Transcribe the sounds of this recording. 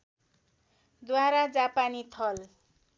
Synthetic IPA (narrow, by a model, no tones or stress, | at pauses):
d̪waɾad͡zapanit̪ʰʌl